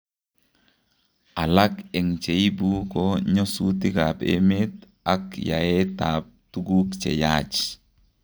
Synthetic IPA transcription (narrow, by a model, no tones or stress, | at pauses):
ʔalakɛŋt͡ʃeibukoɲosutikapḛmet | akja̰ɛtaːp̚tuɡukt͡ʃɛ̰jat͡ʃ